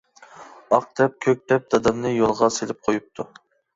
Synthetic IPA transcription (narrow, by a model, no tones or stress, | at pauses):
ɑq̚d̪̥ɛp̚kʲʰøk̚ʲd̪ɛp̚d̪̥ɑd̪ɑmnɨjolˠʁɑselɪp̚qʰojup̚t̪ʰu